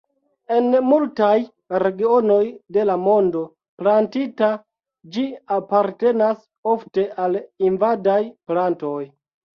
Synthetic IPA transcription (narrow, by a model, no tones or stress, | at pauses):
e̞nmultaj | ɾe̞ɡio̞no̞jde̞lamo̞ndo̞ | plantita | d͡ʒiapaɾte̞nas | o̞fte̞ʔalinvadajplanto̞j